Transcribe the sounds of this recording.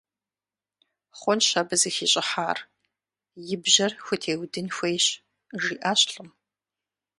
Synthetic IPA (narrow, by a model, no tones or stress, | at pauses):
χʷɔnʃɐbɨzɨxiːɕʼɪħaːr | jɪbʑɐrxʷʊtʰeːwdɨnxʷejɕ | ʐiːʔaːɕɬʼɨm